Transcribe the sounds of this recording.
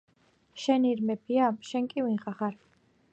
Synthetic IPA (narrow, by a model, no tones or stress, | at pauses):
ʃɛniɾmɛbʰiaʃɛŋkʼivinχaχaɾ